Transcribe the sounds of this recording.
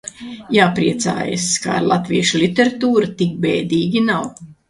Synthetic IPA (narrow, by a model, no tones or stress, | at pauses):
jaːpɾiɛt̪sa̰ːjḛska̰ɾlˠat̪viɛʃulit̪ʲeɾat̪uːɾat̪ik̚bɛːd̪iːɡʲinaw